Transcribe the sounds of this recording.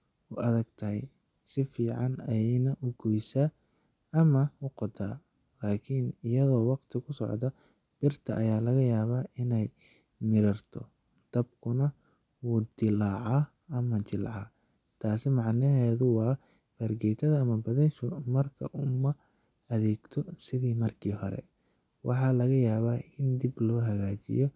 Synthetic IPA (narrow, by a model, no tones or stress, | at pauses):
ʊʔɐðɐɡt̪ʰɐɦɛj | sɪfiːʕɑnɐjɛjnɐʔʊɡɔjsaː | mɐʊqɔt̪ʰaː | laːkʰinɪjɐðɔːwɑqt̪ʰɪkʰʊsɔ̰ʕd̪ɐ | b̥ɪrt̪ʰɐʔɐjaːlɐɣɐjaːβaːɪnɛj | mɪɾɐrt̪ʰɔ̰ | d̪̥ɐb̚kʰʊnɐ | wuːd̪ɪlaːʕɑ | ɐmɐt͡ʃɪlʕɑ | t̪ʰaːsɪmɑʕnɪɦɛːðʊwɑː | b̥ɐrɡɛjt̪ʰɐðɐːmɐbɐðɛʃʊmɐrkʰɐ̰ʔʊmɐ | ɐðɛːɡt̪ʰɔsɪðiːmɐrkʰiːhɔɾɛ̰ | wɑħɑːlɐɣɐjaːβaːʔɪnd̪ɪblɔːɦɐɣaːt͡ʃɪ̰jɔ